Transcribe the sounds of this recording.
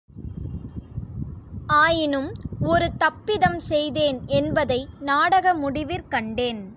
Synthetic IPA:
aːjɪnɯmɔɾɯt̪ɐpːɪðɐmsɛjðeːnɛnbɐðɐɪnaːɽɐɣɐmʊɽɪʋɪɾkɐɳɖeːn

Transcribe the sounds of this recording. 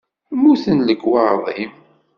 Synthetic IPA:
muθənləɡwɑɾˤðˤim

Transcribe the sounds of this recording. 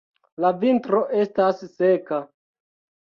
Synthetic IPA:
lavintɾo̞ʔe̞stasːe̞ka

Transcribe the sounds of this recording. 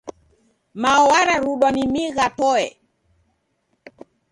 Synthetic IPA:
maɔwaɾaɾuɗwanimiɣatɔɛ

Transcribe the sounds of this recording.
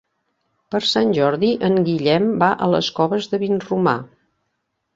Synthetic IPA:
pəɾsanʲʒɔɾðiʔəŋɡiʎɛmbaʔələ̰skɔβəzðəβinruma̰

